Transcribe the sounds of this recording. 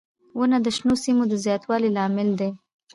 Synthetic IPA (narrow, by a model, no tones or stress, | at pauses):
wənad̪əʃnosimod̪əzjɑt̪wɑlilɑmɪld̪e